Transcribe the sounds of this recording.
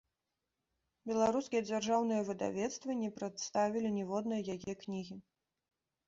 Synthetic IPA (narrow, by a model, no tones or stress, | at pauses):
bʲɛlˠaɾuskʲijɛd͡zʲarʐawnɨjɐvɨd̪a̰vʲɛt̪st̪vɨnʲɛpɾat̪st̪avʲilʲinʲɛvɔd̪nɨjɐjajɛknʲiɣʲi